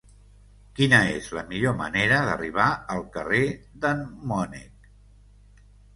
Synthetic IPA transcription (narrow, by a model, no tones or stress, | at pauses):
kinəḛzləmiʎomə̰neɾəðə̰riβ̞aəlˠkəred̪əmmɔnḭk